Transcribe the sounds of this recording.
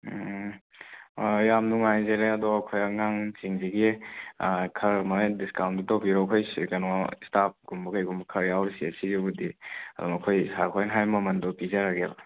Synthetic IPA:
jamnuŋajzeɾeɐdɔɐkʰojɐŋaŋt͡ʃiŋziɡi | kʰɐɾmɐdiskawndutɔpiɾɔkʰojsikɐnɔstap̚ɡumbɐkajɡumbkʰɐɾjawɾisiɐsizibudiɐ̰dɔŋɐkʰojsaɾkʰojnɦajmɐmɐndɔpizaɾaɡeba

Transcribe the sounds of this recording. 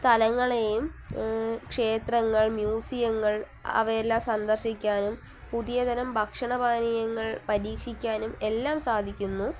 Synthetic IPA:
t̪ɐlɐŋːɐɭejum | kʂe̞ːt̪rɐŋːɐɭmjuːsijɐŋːɐɭ | ɐ̰ʋɐɾelːaːmsɐnd̪ɐrɕikʲːaːnum | puðijɐd̪ɐnɐmbʱɐkʂɐɳɐbʱaːnijɐŋːɐɭpɐɾiːkʂikʲːaːnume̞lːaːmsaːd̪ʱikʲːunːu

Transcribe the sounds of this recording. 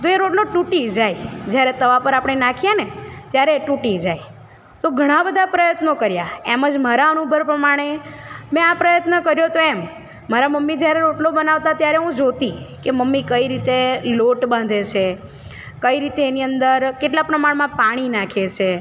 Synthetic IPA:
t̪oeɾoʈloʈuʈid͡ʒajd͡ʒjaɾet̪əʋapəɾapəɽɳ̃enakʰijenet̪jaɾeʈuʈid͡ʒaj | t̪oɡʱəɽ̃ãbəd̪ʱapɾəjət̪nokəɾjaeməd͡ʒmaɾaənubʱəɾpɾəmaɽ̃emɛ̃apɾəjət̪nəkəɾjot̪oɛm | maɾaməmːid͡ʒjaɾeɾoʈlobənaʋt̪at̪jaɾeɦũd͡ʒot̪ikeməmːikəiɾit̪eloʈbãnd̪ʱet͡ʃʰe | kəiɾit̪eːniənd̪əɾkeʈlapɾəmaɽmãpaɽ̃inakʰet͡ʃʰe

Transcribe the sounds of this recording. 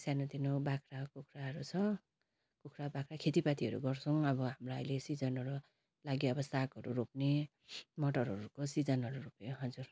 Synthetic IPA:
sanʌt̪inobakʰrakokʰraɦʌɾut͡sʰʌ | kokʰrabakʰrakʰet̪ipat̪iʌɾṵɡʌrt͡sʰʌwʌbʌɦamroʌjlesid͡zʌnʌɾu | laɡjiʌbʌsakɦʌɾurop̚ne | mʌʈʌrɦʌɾukosid͡zʌnʌɾuropjõɦʌd͡zur

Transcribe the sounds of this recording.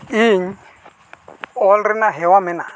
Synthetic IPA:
iŋ̩ | ɔlɾɪnaɦɛwamɛna̰

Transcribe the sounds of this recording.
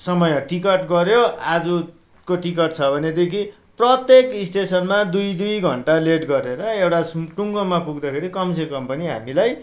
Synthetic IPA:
sʌmʌjʌʈikʌʈɡʌɾjoad͡zu | koʈikʌʈt͡sʰʌbʱʌned̪ekʰi | prʌt̪jekisʈesʌnmad̪ujd̪ujɡʱʌ̰ɳʈaleʈɡʌɾeɾʌewʈasʈuŋɡomapuɡd̪akʰeɾikʌmsʰekʌmpʌniɦa̰milaj

